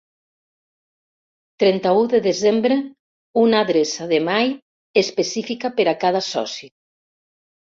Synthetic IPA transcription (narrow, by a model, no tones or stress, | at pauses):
t̪ɾɛnt̪auðeðezembɾe | unaðɾesaðemaj | espesifikapeɾakaðasɔ̰si